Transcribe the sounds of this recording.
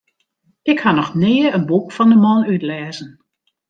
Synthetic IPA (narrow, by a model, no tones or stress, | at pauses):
ɪkhanɔxnɪːəənbukfɔndəmɔnytlɛːzən